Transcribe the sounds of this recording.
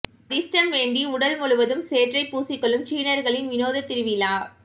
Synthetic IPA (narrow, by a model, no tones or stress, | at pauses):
ɾɪsʈɐnʋeːɳɖiʊɽɐlmʊɭɯʋɐðɯmseːʈrɐɪpːuːsɪkːɔɭɯmt͡ʃiːnɐɾɣɐɭɪnʋɪnoːðɐt̪ːɪɾɯʋɪlaː